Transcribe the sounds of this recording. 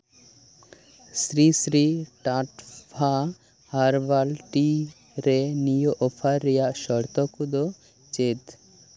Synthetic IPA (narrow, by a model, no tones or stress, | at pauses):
sɾisɾiʈaʈpʰa | haɾbalʈi | ɾenijoʔɔpʰaɾːɛjaʔʃɔɾt̪ɔkud̪ɔ | t͡ʃet̪